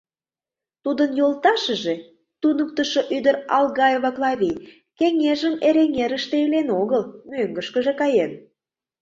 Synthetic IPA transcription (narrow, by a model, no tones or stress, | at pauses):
t̪ud̪ənjolt̪ɑʃə̆ʒe | t̪unək̚t̪əʃoʔyd̪əɾɑlɣɑjevɑklˠɑβʲi | keŋeʒəmeɾeŋeɾə̆ʃt̪eelenoɣəlmøŋɡəʃkəʒekɑjen